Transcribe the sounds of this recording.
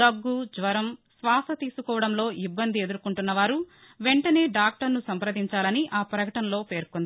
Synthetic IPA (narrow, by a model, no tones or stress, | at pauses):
ɐɡːud͡ʒʋɐɾɐmsʋaːsɐt̪iːsukɔːʋɐɽɐmlo̞ːʔibːɐnd̪ie̞d̪uɾukuɳʈunːɐʋaːɾu | ʋe̞ɳʈɐne̞ːɖaːk̚ʈɐɾnusɐmpɾɐd̪iɲt͡ʃaːlɐniʔaːpɾɐkɐʈɐnlo̞ːpe̞ːɾkond̪ii